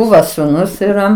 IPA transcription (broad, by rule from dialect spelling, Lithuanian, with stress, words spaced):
ˈbuːʋɐ sʊˈnʊs iːˈrɐ